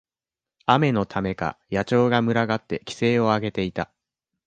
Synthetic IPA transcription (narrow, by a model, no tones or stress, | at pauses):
ame̞no̞t̪ʰame̞ka̰jat͡ɕo̞ːɡamɯ̟ɾaɡat̪ːe̞kʲi̥se̞ːo̞aɡe̞t̪e̞it̪a